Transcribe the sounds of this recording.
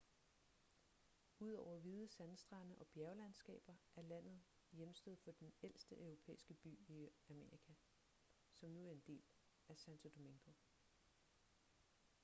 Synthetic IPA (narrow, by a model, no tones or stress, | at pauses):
uð̞̰ˠɒʊ̰ɐʋiːðˠəsænsd̥ʁɑ̈nəʔɒ̽b̥jæɐʊlænsɡ̥ɛ̰ːb̥ɐʔæɐlæn̰ð̞̩ˠ | jemsd̥øð̩ˠfɒ̽d̥enel̰sd̥əʔœʊʁo̝pʰḛːisɡ̥əb̥y̰ːiæme̝ʁikʰæ | sɒ̽mnuæɐe̝nd̥e̝̰ːl | æsænt͡sʰo̝d̥o̝miŋɡ̥o̝